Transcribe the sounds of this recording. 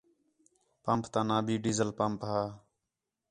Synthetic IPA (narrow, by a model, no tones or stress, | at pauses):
pampt̪ãːnãːbiːɖiːzəlpampɦaː